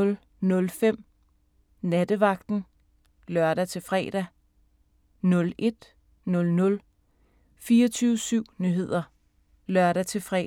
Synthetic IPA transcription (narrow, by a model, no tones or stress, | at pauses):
l | nɔ̽lfem̰ | næd̥əʋɑ̈ɡ̥̚d̥n̩ | lɶɐɾ̥æt͡sʰe̝lfʁɛ̰ːɾ̥æ | nɔ̽le̝d̥ | nɔ̽lnɔ̽l | fiːɐt͡sʰyːʊəsyʊ̰nyɦe̝ð̞̰ˠɐ | lɶɐɾæt͡sʰe̝lfʁɛ̰